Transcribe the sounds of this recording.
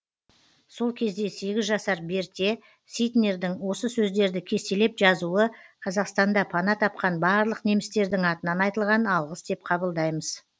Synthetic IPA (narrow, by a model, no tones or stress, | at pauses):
so̞lˠkʲʰe̞zd̪e̞se̞ɡʲɪzʒɑsɑɾbe̞ɾt̪ʲe̞ | sijt̪ne̞ɾd̪ɪŋwo̞səsɵzd̪e̞ɾd̪ɪkʲʰe̞st̪e̞le̞pʒɑzuəqʰɑzɑqst̪ɑnd̪ɑpʰɑnɑt̪ʰɑp̚qɑnbɑɾlˠəqne̞mɪst̪e̞ɾd̪ɪŋɑt̪ənɑnɑjt̪əlˠʁɑnɑlˠʁəsd̪e̞p̚qʰɑbəlˠd̪ɑjməz̥